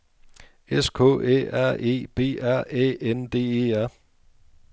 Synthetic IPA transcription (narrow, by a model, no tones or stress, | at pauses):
eskʰɔ̰̽ːḛːæɐ̰e̝̰ːb̥e̝̰ːæɐ̰ḛːend̥e̝̰ːeæɐ̰